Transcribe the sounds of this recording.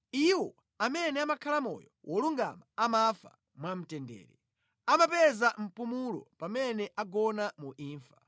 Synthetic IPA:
iwɔ | amɛnɛamakʰalamɔ̰jɔwʔɔluŋɡa̰maamafa̰ | mwam̩tɛndɛ̰ːɾɛ | amapɛzam̩pumulɔ̰pamɛnɛʔaɡɔnamuʔiːɱfḁ

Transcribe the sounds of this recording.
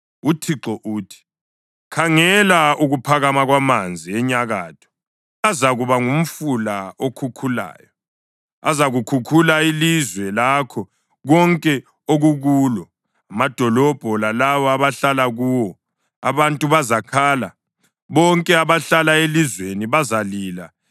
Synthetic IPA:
utʰiǁɔʔuːtʰi̥ | kʰaŋɛlauɣupʰaɣamaɣwamand͡zʱiɛɲaɣaːtʰɔ̥ | azaɣuβaŋum̩fulaokʰukʰula̰ːjɔ | a̰zaɣukʰukʰulaelizwɛlakʰɔ | ɣɔŋkʼɛ | oɣuɣuːlɔ | amad̥ʱɔlɔb̥ʱɔlalaβɔaβaɬalaɣuːwɔ | a̰βantʼuβazakʰaːla | βɔŋkʼɛaβaɬalaelizweniβazaliːla̰

